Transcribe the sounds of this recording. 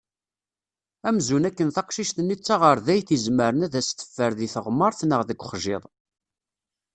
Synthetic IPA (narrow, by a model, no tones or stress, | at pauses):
æmzunækːənθɑqʃiʃt̪ənːit͡sːɑʁəɾðæjθizməɾənæðæst̪ːə̥fːəɾðiθəʁmːəɾˤθnəʁðəɡʷχʒɪ̰ðˤ